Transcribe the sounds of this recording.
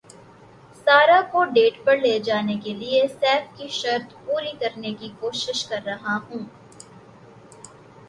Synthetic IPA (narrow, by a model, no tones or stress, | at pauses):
saːɾakoɖeːʈpɐɾleːd͡ʒaːnekeliesɛːfkiʃɐɾt̪puːɾikɐɾnekikoːʃɪʃkɐɾːɐɦaɦũː